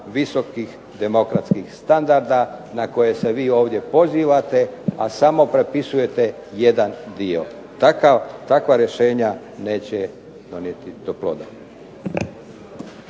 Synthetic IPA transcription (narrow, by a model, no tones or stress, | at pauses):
ʋiso̞kix | d̪e̞mo̞kɾat̪skixst̪and̪aɾd̪anako̞je̞se̞ʋiːo̞ːʋd̪je̞po̞ziːʋat̪e̞a̰samo̞pɾe̞pisuje̞t̪e | jed̪and̪io̞̰ | t̪akat̪akʋaɾje̞ʃe̞ːɲa | ne̞ːt͡ɕe | d̪̥o̞nje̞t̪id̪̥oplˠo̰d̪a